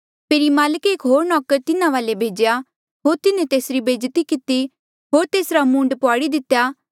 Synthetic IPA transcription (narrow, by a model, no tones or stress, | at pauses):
pʰeːɾimaːləkeːkɦoːɾnɔːkəɾt̪ɪnãʋaːlebʱeːd͡ʒja | ɦoːɾt̪ɪnẽt̪eːsɾibeːd͡ʒt̪ikɪt̪i | ɦoːɾt̪eːsɾamũːɳɖpʊaːɽid̪ɪt̪ːja